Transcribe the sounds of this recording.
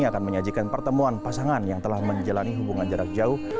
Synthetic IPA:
iakanməɲad͡ʒikanpərt̪əmuanpasaŋanjaŋt̪əlahməɲd͡ʒalaniɦubuŋand͡ʒaɾak̚d͡ʒauh

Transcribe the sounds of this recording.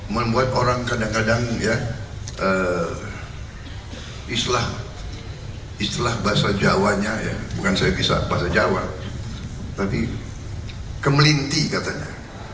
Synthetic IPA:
məmbuat̪oɾaŋkadaŋkadaŋjaə | ist̪lah | ist̪lahbaasad͡ʒawaɲaja̰bukansajabisa̰baɦasad͡ʒawa̰ | t̪api | kəməlint̪ikat̪aɲa̰

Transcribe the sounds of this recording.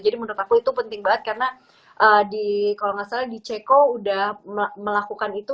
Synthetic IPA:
d͡ʒadimənət̪akuit̪upənt̪ɪŋbaət̪̚karəna | ʔədikalɔŋasaldit͡ʃɛkoudahməməlakukanit̪u

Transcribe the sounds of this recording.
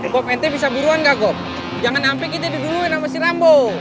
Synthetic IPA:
ɡɔpɛnt̪ɛbisabuɾuanɡaɡɔp̚ | d͡ʒaŋanampɛk̬it̪̬adiɡuɾuinamasiɾambo

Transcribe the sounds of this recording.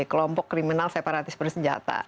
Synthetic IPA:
kəlɔmpɔkːɾiminalsepaɾat̪ɪsbərsəɲd͡ʒa̰t̪a̰

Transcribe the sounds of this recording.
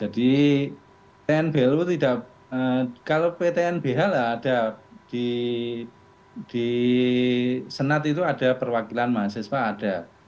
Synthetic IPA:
d͡ʒadi | t̪eɛnb̥elut̪idaʔ | əkalopet̪eɛnb̥eɦalaːd̥ad̥i | d̥i | sənat̪it̪uad̥a̤pərwakilanmasɪspaːd̥a

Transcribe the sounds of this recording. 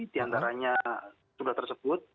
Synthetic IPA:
diant̪aɾaɲa | suɡaht̪ərsəbʊt̪̚

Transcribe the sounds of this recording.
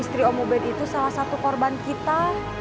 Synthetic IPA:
ist̪ɾiomobɛnit̪usalahsat̪ukɔrbankit̪a

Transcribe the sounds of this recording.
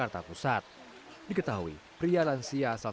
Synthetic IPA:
art̪apusat̪̚ | dikət̪aɦuḭ | pɾialansiasal

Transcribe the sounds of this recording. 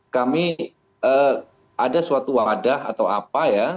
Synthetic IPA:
kami | əː | adasuat̪uwadaɦa̰t̪awa̰paja

